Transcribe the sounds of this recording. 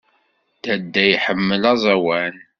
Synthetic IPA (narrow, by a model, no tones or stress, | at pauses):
d̪æd̪ːæjħəmːəlɑzˤɑwæn